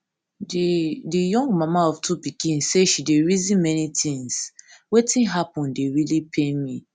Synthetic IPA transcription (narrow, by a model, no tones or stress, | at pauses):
ddijɔ̃ŋɡmamaɔftʰupikĩnsseʃideɹizĩnmɛnitĩŋswetĩnɦapɔ̃ndeɹilipʰemi